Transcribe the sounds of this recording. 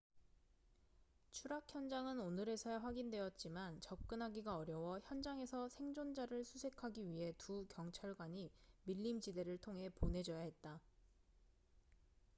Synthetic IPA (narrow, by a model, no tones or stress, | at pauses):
t͡ɕʰuɾakʰçjʌnd͡ʑaŋɯnonɯɾe̞sʰaɸwaɡindwe̞jʌt̚t͡ɕ͈imant͡ɕʌp̚k͈ɯnɦaɡiɡaʌɾjʌwʌçjʌnd͡ʑaŋe̞sʰʌsʰe̞ŋd͡ʑond͡ʑaɾɯɭsʰusʰe̞kʰaɡiɥiɦe̞tukjʌŋt͡ɕʰaɭɡwaɲimiʎːimd͡ʑide̞ɾɯɭtʰoŋɦe̞ponɦe̞d͡ʑʌjaɦe̞t̚t͈a